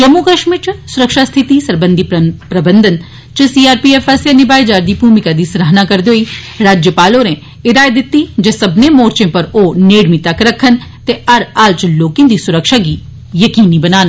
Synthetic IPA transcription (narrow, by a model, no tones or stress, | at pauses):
t͡ʃɐmukɐʃmit͡ʃsʊɾəkʃast̪ʰɪt̪isɐɾbə̃nd̪ʱippɾɐbənd̪ʱən | t͡ʃɐsiːaːɾpiːeːfʰesjanɪbaːed͡ʒaːɾd̪ibʱuːmɪkad̪iːsɾəɦnakɐɾd̪joːiː | ɾaːd͡ʒjəpaːloɾẽ | ɪd̪aːjd̪ɪt̪ːid͡ʒesɐbnẽmoːɾt͡ʃẽpɐɾoːneːɽmit̪ɐkɾɐkʰːənt̪eɐɾaːlt͡ʃloːkẽnd̪isʊɾəkʃaki | jɐkiːnibɐnaːn